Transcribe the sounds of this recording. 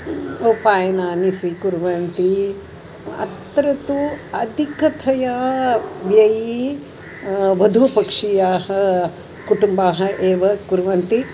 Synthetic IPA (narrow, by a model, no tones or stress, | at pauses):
upaːjɐnaːnisʋikuɾʋɐnt̪i | ɐ̰t̪ːɐɾɐt̪uɐd̪ʱikɐt̪ʰɐja | ʋjɐji | ʋɐd̪ʱupɐkʂijaːɦɐ | kuʈumbaːɦɐʔeːʋɐkuɾʋɐnt̪i